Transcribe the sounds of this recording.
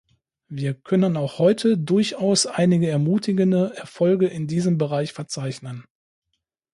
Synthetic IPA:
viːɐkʰœnənaʊxhɔʏtʰədʊɐçaʊsʔaɪnɪɡəɛɐmuːtʰɪɡəndəʔɛɐfɔlɡəʔɪndiːzəmbəʁaɪçfɛɐt͡saɪçnən

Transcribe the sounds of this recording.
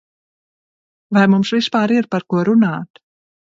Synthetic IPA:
vajmumsvispaːɾiɾpaɾkuɔɾunaːt̪

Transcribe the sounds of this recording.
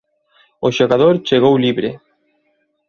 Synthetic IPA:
oʃoɣaðoɾt͡ʃeɣ̞owliβɾe

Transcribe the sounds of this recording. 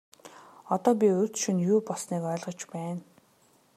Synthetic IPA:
ɔt̪ɔːp̬ʲiɵ̥t͡sʃĭnjuːpɔsniːkœːɮʁə̆t͡ɕpæːn

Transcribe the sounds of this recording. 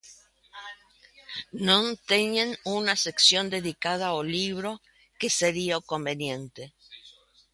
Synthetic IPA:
nont̪eɲenunaseksjo̞nd̪e̞ðikað̞aoliβ̞ɾo̞ | keseɾiokombe̞njent̪e

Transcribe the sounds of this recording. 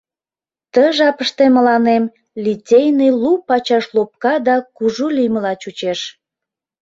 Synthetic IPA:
t̪əʒɑpəʃt̪eməlɑnem | litʲejnilupɑt͡ɕɑʃlop̚kɑd̪ɑkuʒuliməlɑt͡ɕut͡ɕeʃ

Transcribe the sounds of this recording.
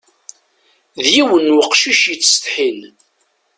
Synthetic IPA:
ðjiwənwəqʃiʃjət͡sːst̪ħin

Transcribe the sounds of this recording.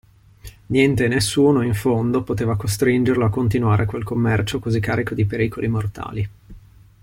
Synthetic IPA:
njɛnt̪enesːuːnoiɱfond̪opot̪eːvakost̪ɾind͡ʒerloakːont̪inwaːɾʔeakwelkomːɛrt͡ʃokozikːaːɾikod̪ipeɾiːkolimort̪a̰ːli

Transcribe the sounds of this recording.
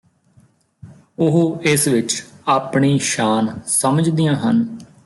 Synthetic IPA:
ʊɦoːɪsʋɪt͡ʃaːpɳiːʃaːnsəməd͡ʒd̪ijãːɦən

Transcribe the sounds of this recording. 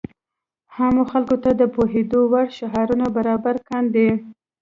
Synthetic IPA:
hamoxalkot̪ad̪əpoɦed̪owaɽʃaɦɑɾunabaɾɑbaɾkand̪e

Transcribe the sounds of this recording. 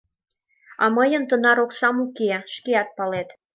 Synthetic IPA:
ɑməjənt̪ənɑɾoksɑmukeʃkeɑt̪̚pɑlet̪

